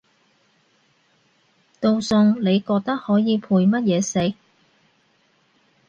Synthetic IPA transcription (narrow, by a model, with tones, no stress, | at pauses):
t̪o˧wsɵ˨˧ŋne˨˧jkɔː˧k̚t̪ɐ˥k̚hɔː˨˥jiː˨˧pʰuː˧jmɐ˥t̚jɛː˨˧se˨˥j